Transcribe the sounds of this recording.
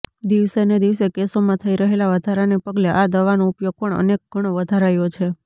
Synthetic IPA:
d̪iʋsened̪iʋsekesomãt̪ʰəiɾəɦelaʋəd̪ʱaɾanepəɡleʔad̪əʋanoupjoɡ̚pəɳə̰nek̚ɡʱəɽ̃oʋəd̪ʱaɾajot͡ʃʰe

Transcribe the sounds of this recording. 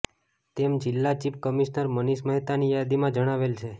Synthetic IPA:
t̪emd͡ʒɪlːat͡ʃip̚kəmiʃnəɾməniʃməɦit̪anijad̪imãd͡ʒəɽ̃aʋelt͡ʃʰe

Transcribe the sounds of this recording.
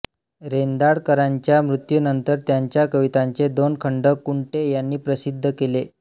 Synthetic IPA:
ɾend̪aɽkəɾaɲt͡ɕjamɾut̪junənt̪əɾt̪jaɲt͡ɕjakəʋit̪aɲt͡sed̪onkʰəɳɖəkuɳʈejanːiːpɾəsid̪ʱːəkele

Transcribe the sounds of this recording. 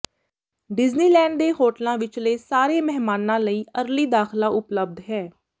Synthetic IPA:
ɖɪzniːlɛ̃ːɳɖd̪eːhoːʈlãːʋɪt͡ʃleːsaːɾeːmɛɦmaːnãːləiːəɾliːd̪aːxlãːʔʊpləb̚d̪ɦɛː

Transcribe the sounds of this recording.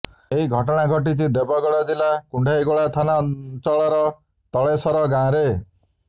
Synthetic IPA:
eɦiɡʱɔʈɔɽ̃aɡʱɔʈ̬it͡ʃʰid̪ebɔɡɔɭɔd͡ʒilakuɳɖʱaiɡoɭat̪ʰanant͡ʃɔɭɔɾɔ | t̪ɔɭesɔɾɔɡãɾe

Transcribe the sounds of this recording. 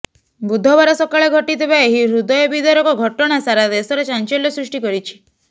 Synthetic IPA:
bud̪ʱːɔbaɾɔsɔkaɭeɡʱɔʈid̪ʱebaeɦiɾud̪ɔjɔbid̪ɔɾɔkɔɡʱɔʈɔɽ̃asaɾad̪esɔɾet͡ʃant͡ʃɔljɔsɾusʈikɔɾit͡ʃʰi̥

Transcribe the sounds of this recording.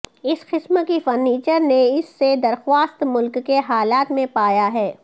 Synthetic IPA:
ɪsqɪsməkifɐɾniːt͡ʃəɾneɪsːed̪ɐɾxwaːst̪mʊlkːeɦaːlaːt̪mẽpaːjaɦɛː

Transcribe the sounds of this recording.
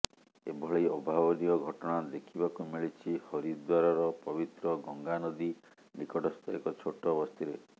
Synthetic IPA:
ḛbʱɔɭejɔbʱabɔniɔɡʱɔʈɔɽ̃ad̪ekʰibakumiɭit͡ʃʰihɔɾid̪waɾɔɾɔpɔbit̪ɾɔɡɔŋɡanɔd̪i | nikɔʈɔst̪ʰɔekɔt͡ʃʰoʈɔbɔst̪ʰiɾe

